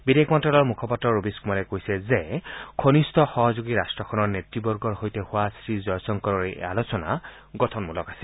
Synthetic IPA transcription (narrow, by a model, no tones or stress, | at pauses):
bidekʰmɔntɹalɔɹmukʰɔpɔtɹɔɹobiskumalɛkojsɛzekʰonistʰɔxɔɦɔzuɡiɹastɹɔkʰɔnɔɹnetɹibɔɹɡɔɹhojtɛhʊwasɹizɔjsɔŋkɔɹɔɹea̰losɔna̰ | ɡɔtʰɔnmulɔkasɛ̥